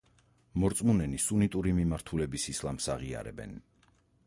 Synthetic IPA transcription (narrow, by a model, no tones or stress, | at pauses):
mɔɾt̪sʼmunɛnisunit̪ʼuɾimimaɾt̪ʰulɛbisislˠamsaʁia̰ɾɛ̰bɛ̰n